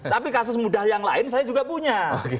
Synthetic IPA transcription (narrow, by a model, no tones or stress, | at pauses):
t̪apikasʊsmudahjaŋla̰ɪnsajad͡ʒuɡapuɲaok